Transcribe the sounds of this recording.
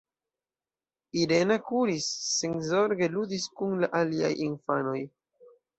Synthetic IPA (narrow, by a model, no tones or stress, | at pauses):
iɾe̞nakuɾisːenzo̞ɾɡe̞ludiskunlaʔalia̰jinfano̞j